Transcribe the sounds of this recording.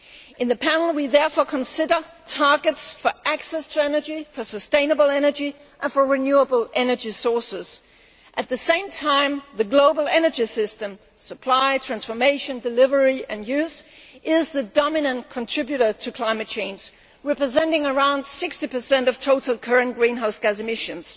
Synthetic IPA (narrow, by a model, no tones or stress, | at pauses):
ʔɨ̃nðɨpʰænl̩ˠwiðɛɹfɔɹkʰn̩sɪɾə˞ | tʰɑɹɡɨtsfə˞ʔæksɛstʰəɛnə˞d͡ʒifə˞səstẽɪ̃nəbl̩ˠɛnə˞d͡ʒi | ʔə̃nfə˞ɹɪnjuəbl̩ˠʔɛnə˞d͡ʒisɔɹsɪz̥ | ʔɨt̪̚ðɨsẽɪ̃mtʰãɪ̃mðɨɡloʊbl̩ˠɛnə˞d͡ʒisɪstɨ̃m | səpʰl̥aɪtʰɹ̥æ̃nsfə˞meɪʃɨ̃ndɨlɪvə˞iʔɨ̃njʉzʔɪzðɨdɑmɪnə̃nkʰɨ̃ntʰɹ̥ɪbjʉɾə˞ɾɨkʰl̥ãɪ̃mɨt̚t͡ʃʰẽɪ̃nd͡ʒ | ɹɛpɹɨzɛ̃ntɪ̃ŋə˞ãʊ̃nd̥sɪkstipʰə˞sɛ̃ntʌv̥tʰoʊɾl̩ˠkʰɜ˞ɨ̃nɡ̥ɹĩnɦaʊsɡ̥æzɨmɪʃɨ̃nz̥